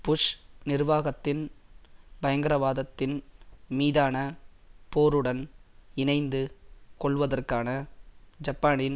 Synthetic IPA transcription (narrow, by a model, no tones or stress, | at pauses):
pʊʂnɪɾʋaːɣɐt̪ːɪn | bɐjɐŋɡɐɾɐʋaːðɐt̪ːɪnmiːðaːnɐ | poːɾɯɽɐnɪnɐɪnd̪ɯkɔɭʋɐðɐrkaːnɐd͡ʒɐpːaːnɪn